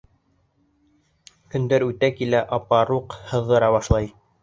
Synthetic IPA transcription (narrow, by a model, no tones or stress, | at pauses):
kɵ̆nd̪æɾʉt̪ækilæʔɑpɑɾuqhɤ̆ðːɤ̆ɾɑβɑʃlˠɑj